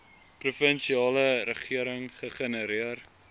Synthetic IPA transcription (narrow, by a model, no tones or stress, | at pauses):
prufənʃiɑːləɾəχiəɾəŋχəχənəɾiər